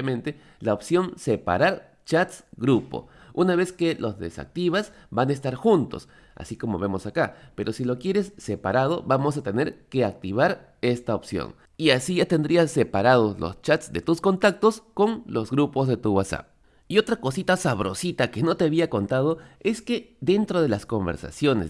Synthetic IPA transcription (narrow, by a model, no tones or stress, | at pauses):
emẽ̞nt̪e̞ | laopsjo̞nse̞pa̰ɾaɾ | t͡ʃat̪sɡɾupo̞̰unaβe̞ske̞lo̞zðe̞̰sa̰k̚t̪iβas | banaes̬t̪aɾxunt̪o̞̰s | a̰siko̞mo̞̰βe̞mo̞sakape̞ɾo̞silo̞kjeɾe̞sːe̞paɾað̞o̞βamo̞sat̪e̞ne̞ɾke̞ak̚t̪iβaɾ | e̞st̪ao̞psjo̰ŋ | iasiʝat̪e̞nd̪ɾiasːe̞paɾað̞o̞slo̞̰st͡ʃat̪sd̪e̞t̪usko̞nt̪ak̚t̪o̞sko̞ŋlo̞zɣɾupo̞zðe̞t̪uwasa̰p | io̞t̪ɾako̞sit̪asaβɾo̞̰sit̪ake̞no̞t̪e̞aβiako̞nt̪að̞o̞e̞ske̞d̪e̞nt̪ɾo̞ðe̞lasko̞mbe̞ɾsa̰sjo̞nḛ